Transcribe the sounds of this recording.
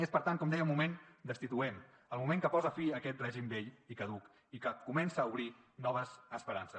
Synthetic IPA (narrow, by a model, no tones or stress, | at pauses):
espəɾt̪aŋkɔmd̪ɛjəmumend̪əst̪it̪uɛm | əlˠmumeŋkəpɔzəfiəkɛt̪̚rɛʒimbeʎikəðuk | ikəkumɛnsəːuβɾinɔβ̞əzəspəɾansə